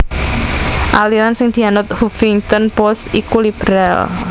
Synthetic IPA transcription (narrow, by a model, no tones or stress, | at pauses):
ʔaliɾansɪŋd̪̥i̤anʊt̪̚hufɪŋt̪ɔnpɔsikulib̥ɾɛl